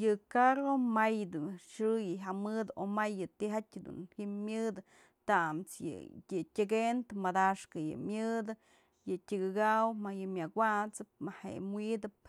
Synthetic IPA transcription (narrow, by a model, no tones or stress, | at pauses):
jɨkaɾomajd̪uʂɨjɨɦamɨd̪omajːɨt̪iɦatʲd̪ṵnhimʲjɨd̪ɨ | t̪amt͡sjɨ̰ɨtʲɨɡent̪ɨmad̪aʂkɨjɨ̰mʲjɨd̪ɨ | jɨtʲɨɡɨɡawmajɨmʲjawʷat͡sɨp̚mahḛmwid̪ɨp̚